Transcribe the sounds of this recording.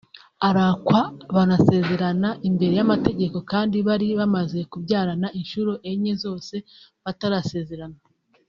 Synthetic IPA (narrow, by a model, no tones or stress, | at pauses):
aɾakwaβanase̞ːze̞ɾanaʔimbe̞ɾe̞jamate̞ɟe̞ko̞kaːndiβaɾiβamaze̞kubɟaːɾanaʔinʃuɾoʔeɲezo̞ːse̞βataɾase̞ːze̞ɾana